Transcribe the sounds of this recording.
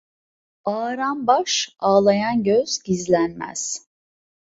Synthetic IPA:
aːɾanbaʃaːlˠajanɟøz̥ɟizlʲænmæ̰z̥

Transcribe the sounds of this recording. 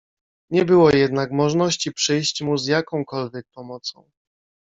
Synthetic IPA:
ɲɛbɘwɔjɛd̪nakmɔʐnɔɕt͡ɕipʂɘjɕt͡ɕmuzjakɔ̃w̃kɔlvʲjɛk̚pɔmɔt̪sɔ̰̃w̃

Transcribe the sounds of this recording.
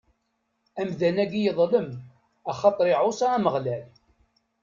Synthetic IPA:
æmðænæɡijəðˤləm | æχɑt̪ˤɾɪʕosɑæməʁlæl

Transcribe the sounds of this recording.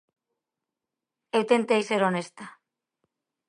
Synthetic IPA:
ewt̪ent̪ejseɾonest̪a

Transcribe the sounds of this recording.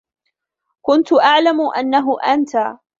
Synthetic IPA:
kʊnt̪ʊʔaʕlamʊʔa̰nːaɦʊʔant̪a

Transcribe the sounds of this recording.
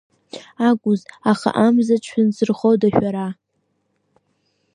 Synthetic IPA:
aɡʷʼʊzaχa̰ʔamzat͡ʃʷʰɪnzɨrχowdaʃᶣaɾa

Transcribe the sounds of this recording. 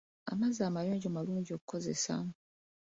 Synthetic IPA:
a̰mazaːmajoːɲɟomaluːɲɟio̞ku̥ko̞ze̞̰sa̰

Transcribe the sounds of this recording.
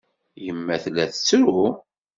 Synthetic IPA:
jəmːæθlːæθət͡sːɾu

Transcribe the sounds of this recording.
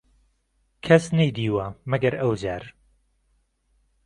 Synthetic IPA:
kʰɐsnɐjd̪iːwɐmɐɡɐɾɐwd͡ʒaːɾ

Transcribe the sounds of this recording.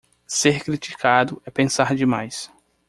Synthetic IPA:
seɾkɾit͡ʃi̥kʰad̪ʊɛpẽsaɾd͡ʒɪmajs

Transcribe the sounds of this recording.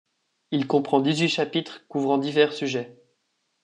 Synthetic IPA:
ilkɔ̃pχɑ̃d̪izɥiʃapit̪χkuvʁɑ̃d̪ivɛʁsyʒɛ

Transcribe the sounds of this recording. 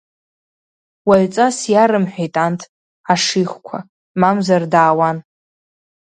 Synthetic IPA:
waɥt͡sʼasjaɾɨmħʷᶣejtʼantʰ | aʂiχʷkʷʰa̰ | mamzardaːwan

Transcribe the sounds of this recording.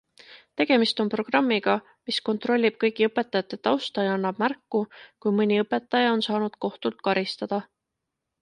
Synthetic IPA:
t̪e̞ɡ̥e̞mist̪o̞npro̞ɡ̥rɑmːiɡ̥ɑ | misko̞nt̪ˑro̞lʲːib̥̚kɤjɡiɤpːˑe̞t̪ːˑɑjɑt̪ːˑe̞t̪ɑwst̪ɑjɑɑnːɑb̥̚mærkːukujmɤnʲiɤpːˑe̞t̪ːˑɑjɑo̞nsɑːnud̪̥ko̞ht̪ult̪̚kɑɾist̪ɑd̪̥ɑ

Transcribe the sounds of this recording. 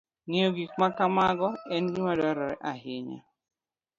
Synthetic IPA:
ŋeoɡikmakamaɡɔɛnɡimadɔɾɔɾɛʔaɦɪɲa̰

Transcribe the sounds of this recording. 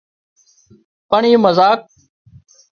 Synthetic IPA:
pəɳiːməzaːk̚

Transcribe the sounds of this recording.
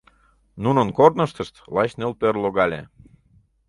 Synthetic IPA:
nunənkornəʃt̪əʃt̪lɑɕnelpørloɣɑlʲḛ

